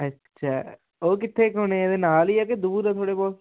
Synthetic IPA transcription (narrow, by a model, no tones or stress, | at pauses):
ətːʃʰaː | oːkɪt̪ʰːeːkoːnẽeːd̪eːnaːliːɛːked̪uːɾãt̪ʰoːɽeːbɔːt̪